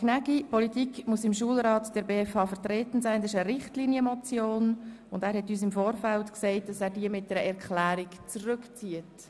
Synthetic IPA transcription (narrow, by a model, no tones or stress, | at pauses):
knæɡipɔlitikmusɪmʃuəlɾɑːtd̥ɛɾbeːɛfhɑːfəɾtrɛːtən̩saɪndɛʃəɾɪχtliːnjəmɔt͡sjoːnʊndæːɾhɛtyːs̬ɪmfoːrfæltkseɪt̚d̥ɑsæːɾdiəmɪt̚d̥ɛɾəɛɾklæːɾikt͡srʏkt͡siət